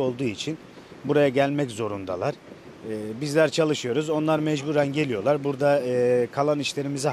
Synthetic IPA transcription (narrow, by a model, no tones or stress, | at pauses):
o̞lˠd̪uːit͡ʃʰin | buɾajaɟælʲmɛczo̞ɾund̪a̰lˠaɾ̥ː | bizlʲæɾt͡ʃʰalˠɯʃɯjo̞ɾuzo̞nlˠaɾmɛd͡ʒbuːɾænɟe̞lʲijo̞lˠaɾbuɾd̪aːkʰalˠaniʃlʲe̞ɾimizi